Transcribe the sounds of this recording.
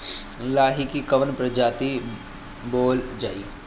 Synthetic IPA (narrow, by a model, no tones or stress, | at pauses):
laːɦikikɐʋənpɾəd͡ʒaːt̪i | boːld͡ʒaːi